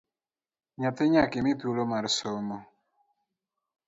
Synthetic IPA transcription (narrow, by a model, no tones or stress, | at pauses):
ɲat̪eɲakɪmit̪ulomaɾsɔmɔ